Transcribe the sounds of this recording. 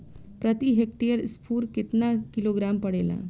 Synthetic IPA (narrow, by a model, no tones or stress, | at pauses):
pɾət̪iɦek̚ʈijəɾspʰuːɾkɪt̪nakiloɡɾampəɽela̰